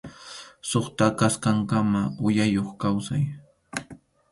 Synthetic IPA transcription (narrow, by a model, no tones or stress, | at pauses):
soχt̪akaskaŋkamaʊjajoχkawsa̰j